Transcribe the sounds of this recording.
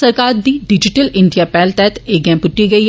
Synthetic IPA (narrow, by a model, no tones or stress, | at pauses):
sɐɾkaːɾd̪iːɖɪd͡ʒɪʈəlɪ̃ɳɖijapɛːlt̪ɛɦt̪ʰeːɡɛ̃ːpʊʈːiɡɐi